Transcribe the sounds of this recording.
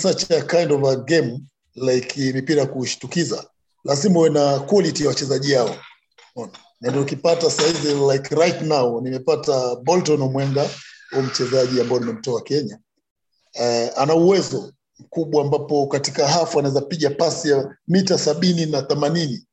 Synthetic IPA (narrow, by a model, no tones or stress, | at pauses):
sat͡ʃakajndɔvaɡɛm | lajikʰimɛpiɾakuʃi̥tukiza | lazimawɛnakwɔlitijawat͡ʃɛzaʄiwaɔ | ɔna | nandiɔkipatasaizilajkɾajtnawnimɛpatabɔltɔnɔmwɛŋɡaɔm̩t͡ʃɛzaʄiambaɔnimɛm̩tɔakɛɲa | anauwɛzɔ | m̩kuɓwaːmbapɔkatikaɦafanaɛzapiɠapasijamitasaɓininaθɛmanini